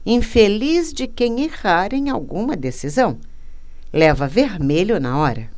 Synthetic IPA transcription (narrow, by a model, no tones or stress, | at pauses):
ĩfelizd͡ʒɪkẽj̃eʁaɾẽj̃awɡũmɐd̪esizɐ̃w̃ | lɛvɐveɾmeʎʊnɐ̰ɔɾɐ